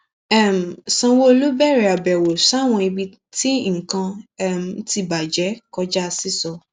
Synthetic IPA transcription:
ɛ˦˨m̩˨sã˧wo˦o˧lu˦bɛ˦˨ɾɛ˨a˨bɛ˨wo˨sa˦˨w̃ɔ̃˧i˧bi˧ | ti˦ŋ̩˨kã˧˦m˨n̩˦ti˧˨ba˨d͡ʒɛ˨˦kɔ˧d͡ʒa˦˧si˦sɔ˧

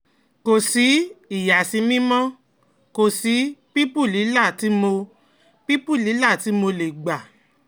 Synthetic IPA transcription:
ko˨si˨˦i˨ja˨si˧˦mĩ˦mɔ̃˦ | ko˨si˨˦pi˦pu˦˨li˨˦la˦˨ti˨˦mo˧ | pi˦pu˦˨li˨˦la˦˨ti˨˦mo˧le˨ɡ͡ba˨

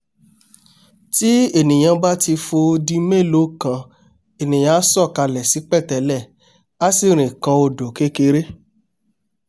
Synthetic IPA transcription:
ti˦e˦˨nĩ˨j̃ã˧ba˦ti˧fo˧di˧me˦˨lo˨˦˨kã˧ | e˨nĩ˨j̃ã˧˦sɔ˦˨ka˧lɛ˨si˨˦k͡pɛ˦˨tɛ˨˦lɛ˦˨ | a˦si˦˨ɾ̃ĩ˨kã˧o˧do˨ke˦ke˧ɾe˦

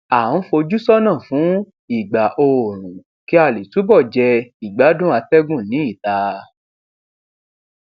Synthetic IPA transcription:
ã˨˦fo˧d͡ʒu˦sɔ˦nãː˦˨fũ˨˦ | i˦˨ɡ͡ba˨ʔo˧˨ɾ̃ũ˨ | ki˦a˧˨le˨tu˨˦bɔ˦˨d͡ʒɛ˧i˨ɡ͡ba˨˦dũ˦a˧tɛ˦ɡũ˦˨nĩ˨˦i˦˨ta˧

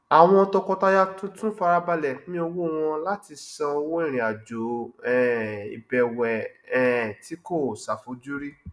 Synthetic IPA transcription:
a˨w̃ɔ̃˧ɔ˧tɔ˧kɔ˧ta˧ja˦tũ˦tũ˦fa˧ɾa˧ba˧lɛ˨˦mĩ˦o˧wo˦˨w̃ɔ̃˧la˦ti˧sã˧o˧wo˦ĩ˦˨ɾ̃ĩ˨a˨d͡ʒo˨˦ɛ˨ḭ˨˧bɛ˨wɛ˨ɛ˨ti˨˦ko˦˨sa˨fo˧˦d͡ʒu˦ɾi˦

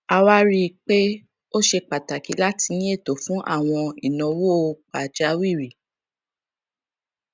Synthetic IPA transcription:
a˧wa˦ɾi˦k͡pe˦ | o˦ʃe˧k͡pa˨ta˨ki˨˦la˦ti˧nĩ˦e˦˨to˨fũ˨˦ʔa̰˦˨w̃ɔ̃˧i˨nã˨wo˦˨˧k͡pa˨d͡ʒa˨˦wi˦˨ɾi˨

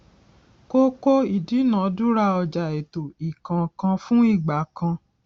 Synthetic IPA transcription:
ko˦ko˦i˨di˨˦nã˨˦du˦ɾa˧ɔ˧d͡ʒa˨e˨to˨i˨kã˨kã˧fũ˦i˦˨ɡ͡ba˨˦kã˧

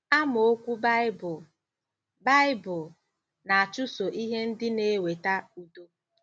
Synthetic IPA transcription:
a˦mo˨o˦kʷu˦bbʊ˨ | ba˦ɪ˦bʊ˨ | na˨a˨t͡ʃʊ˦so˨ʔi˦ɦe˦n̩˦dɪ˦ne˦we˨ta˦u˨do˦

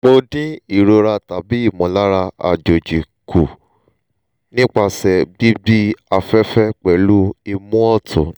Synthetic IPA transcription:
k͡po˧dĩ˦i˦˨ɾo˧ɾa˧ta˨bi˨˦i˦˨mɔ̃˨la˦ɾa˧a̰˨d͡ʒo˨d͡ʒi˨ku˨ | nĩ˦k͡pa˧sɛ˨bi˦bi˦a˧fɛ˦fɛ˦k͡pɛ˨lu˦i˧mũ˦ɔ˦˨tʰṵ̃˨

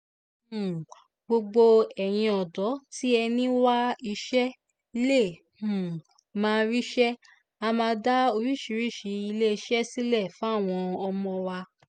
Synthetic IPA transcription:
ɡ͡bo˧ɡ͡bo˧ɛ˨j̃ĩ˧ɔ˨dɔ˨˦ti˦ɛ˧nĩ˦wa˦i˧˦ʃɛ˦ | i˧˦le˦˨ | mãː˦˧ɾi˦ʃɛ˦ | a˧mãː˧da˦o˧ɾi˦˨ʃi˨˦ɾi˦˨ʃi˨˧˦i˧le˦i˧ʃɛ˦si˦lɛ˦˨fũ˦˨w̃ɔ̃˧ɔ˧mɔ̃˧wa˧

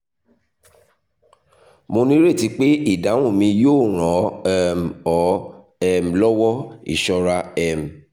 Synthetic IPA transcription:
mo˧nĩ˦ɾe˦˨ti˧k͡pe˦i˦˨da˨˦w̃ũ˦˨mĩ˧joː˦˨ɾ̃ɔ̃˨˦ɛ˦m̩˨ɔ˨˦ | ɛ˦˨m̩˨lɔ˦wɔ˦ḭ˨ʃɔ˧ɾa˧ɛ˧m̩˨

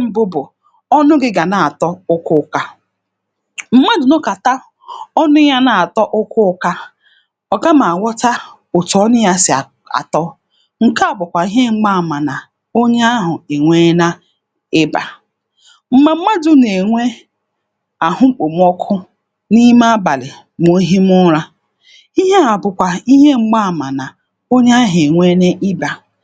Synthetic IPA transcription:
m̩˨bʊ˦bʊ˨ | ɔ˦nʊ˦ɡɪ˦ɡa˨na˨a˨tɔ˦ʊ˦kʊ˦ka˦ | m̩˦ma˦dʊ˨nɔ˦ka˨ta˦ | ɔ˦nʊ˦ja˦na˨a˨tɔ˦ʔʊ˦kʊ˦ʊ˦ka˦ | ɔ˨ɡa˦ma˨a˨wɔ˦ta˦ | ʊ˨tɔ˦nʊ˦ja˦sɪ˨ | a̰˨tɔ˦ | ŋ̩˨ka˦a˨bʊ˨kʷa˨i˨˦ɦe˦ŋ͡m̩˦ɡ͡ba˦˨ma˨na˨ | o˦ɲe˦a˦ɦʊ˨e˨ŋʷe˦na˦ | ɪ˦ba̰˨ | m̩˦ma˦m̩˦ma˦dʊ˦ne˨ŋʷe˦ | a˨hʊ˦ŋ͡m̩˦k͡po˨m˦ɔ˦kʰʊ˦ | ni˦ma˦ba˨lɪ˨ | m˨o˨˦ɦi˦m˦ʊ˦ɾa˦ | i˦ɦe˦a˨bʊ˨kʷa˨i˦ɦe˦ŋ͡m̩˦ɡ͡ba˦˨ma˨na˨ | o˦ɲ˦a˦ɦe˨ŋʷe˦ne˦ʔɪ˦ba˨

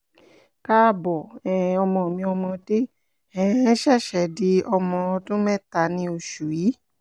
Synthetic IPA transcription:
ka˦˧bɔ˨ɛ˨ɔ˧mɔ̃˧˨mĩ˧ɔ˧mɔ̃˧de˦ | ɛ̃˦˨˦ʃɛ˦˨ʃɛ˨di˧˦ɔ˧mɔ̃˧ɔ˧tũ˦mɛ̃˦˨ta˧nĩ˧o˧ʃu˨ji˨˦

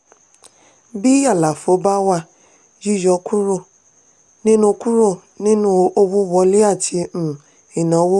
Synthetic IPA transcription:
bi˦a˦˨la˨fo˨˦ba˦wa˧ | d͡ʒi˦d͡ʒɔ˧kʰu˦ɾo˦˨ | nĩ˦nũ˦ku˦ɾo˦˨ | nĩ˦nũ˦o˦bu˦bɔ˧˦le˦a˦˨tʰi˧m̩˨ | i˨nã˨˦wo˦

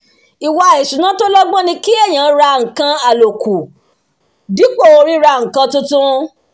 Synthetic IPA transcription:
i˨wa˧˨e˨ʃu˨nã˦to˦lɔ˦ɡ͡bɔ̃˦nĩ˧ki˦ɛ˦˨j̃ã˨˦ɾa˧ŋ̩˨kã˧a˨lo˨ku˨ | di˨˦k͡po˦˨o˧ɾi˦ɾa˧ŋ̩˨kã˧tũ˦tũ˦

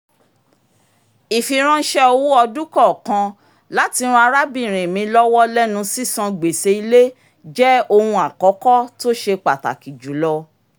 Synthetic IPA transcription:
i˨fi˧ɾ̃ã˦ʃɛ˦o˧wu˦ɔ˧du˦kɔ˦˨kã˧ | la˨˦ti˧ũ˧a˧ɾa˦bĩ˦˨ɾ̃ẽ˨mĩ˧˦lɔ˦wɔ˦lɛ˦nũ˧si˦sã˧ɡ͡be˨se˧i˧le˦ | d͡ʒɛ˦o˧hũ˧a˨kɔ˨˦kɔ˦to˦ʃe˧k͡pa˨ta̰˨ki˨d͡ʒu˨˦lɔ˧

